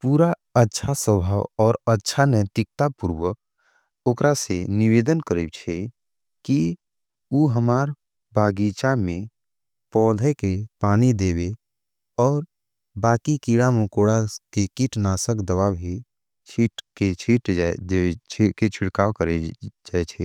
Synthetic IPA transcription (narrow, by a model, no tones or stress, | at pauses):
puːɾa | ətːʃʰasəbʱaːwɔːɾətːʃʰanɛt̪ɪk̚t̪apuɾwək̚ | oːkɾaseniʋeːd̪ənkəɾib̚t͡ʃʰɛ | ki | uːɦəmaːɾ | baːɡit͡ʃamẽ | pɔːd̪ʱekepaːnid̪eːbe | ɔːɾ | baːkikiːɽamukoːɽakekiʈnaːsəkd̪əʋabʱi | t͡ʃʰiʈket͡ʃʰiʈdet͡ʃʰket͡ʃʰɪɽkaːʋkəɾed͡ʒaːɛt͡ʃʰɛː